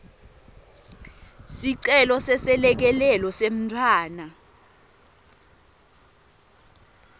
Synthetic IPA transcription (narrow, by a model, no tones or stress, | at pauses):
siǀɛlɔsɛsɛlɛk̬ɛlɛlɔsem̩tʰwaːna